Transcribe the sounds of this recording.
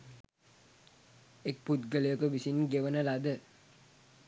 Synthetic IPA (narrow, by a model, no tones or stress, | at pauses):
ek̚put̪̚ɡələjokuʋisinɡeʋənəlad̪ə